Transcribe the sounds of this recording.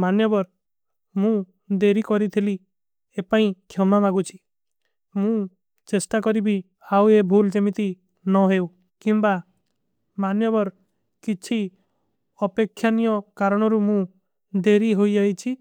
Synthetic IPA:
manjɔbɔɾ | mũ | d̪eɾikɔɾit̪ʰili | epaĩkʰjɔmamaɡut͡ʃʰi̥ | mũ | t͡ʃesʈakɔɾibi | awebʱuld͡ʒemit̪i | nɔɦew | kimba | manjɔbɔɾ | kit͡ʃʰi | ɔpekʰːjanijɔkaɾɔɽ̃ɔɾumũ | d̪eɾiɦojd͡ʒait͡ʃʰi

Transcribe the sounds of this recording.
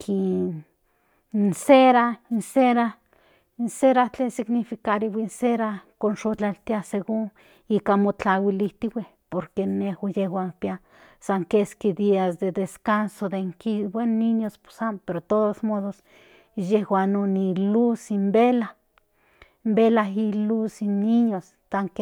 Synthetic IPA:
kʰi | nseɾainseɾa | inseɾat͡ɬesiɡnifikaɾiwʷinseɾakonʃot͡ɬalt̪jaseɡuŋ | ikamot͡ɬawilit̪iwʷe | poɾkenehwajehwaŋpja | saŋkeskid̪iasd̪ed̪eskansod̪eŋkiwʷenːiɲospsampeɾot̪oðosmoðos | jehwanonilusimbela | mbelaɦilusiniɲos | t̪aŋke

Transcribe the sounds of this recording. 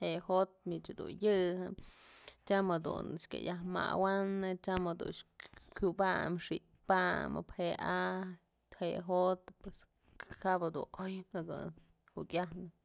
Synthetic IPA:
hehot̪̚mit͡ʃhad̪ṵnjɨhɨmt͡ʃamhad̪ṵnʃkʲḛjahma̰wanɨt͡ʃamhad̪ṵnkʲubamʂi | pamɨ̰pheʔa | t̪heɦot̪pwes | habhad̪ṵnojaɡɨ | hukʲahnɨ

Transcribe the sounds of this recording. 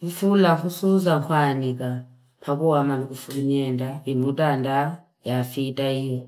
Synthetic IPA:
βifulaxusuzaxwaːnika | pʰakuwamamikufuluɲendaβinutaːnda | jafitaijo

